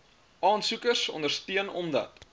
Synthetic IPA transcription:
ʔɑːnsukərsɔ̰ndərstiənɔ̰mdɐ̰t̚

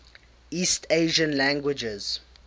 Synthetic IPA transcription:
iːstʰeɪʒə̃nlæ̃ŋɡwɪd͡ʒɛz̥

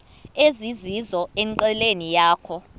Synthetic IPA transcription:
ezizizɔɛŋǃɛlenijaːkʰɔ

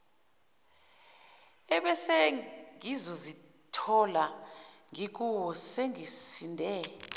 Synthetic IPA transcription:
ɛɓɛsɛŋizɔzitʰɔlaŋik̬uwɔseŋisindʱɛ

